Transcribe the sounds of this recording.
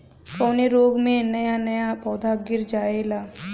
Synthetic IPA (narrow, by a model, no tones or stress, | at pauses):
kɔːneɾoːɡmẽnɐjanɐjapɔːd̪ʱaɡɪɾd͡ʒaːelaː